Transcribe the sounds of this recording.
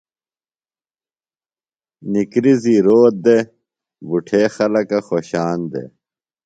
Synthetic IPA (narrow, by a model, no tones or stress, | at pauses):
nikɾiziɾoːt̪̚d̪e | buʈʰeːxɐlɐkɐxoːɕaːnd̪ḛ